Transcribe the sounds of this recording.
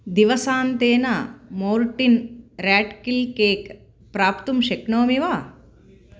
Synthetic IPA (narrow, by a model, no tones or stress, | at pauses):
d̪iʋɐsaːnt̪eːnamoːɾʈinɾaːʈkilkeːk | pɾaːpt̪umʃekɳoːmiʋaː